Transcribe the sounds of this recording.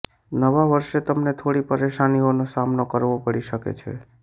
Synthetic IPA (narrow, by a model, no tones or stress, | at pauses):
nəʋaʋəɾʃet̪əmnet̪ʰoɽipəɾeʃanionosamnokəɾʋopəɽiʃəkḛt͡ʃʰḛ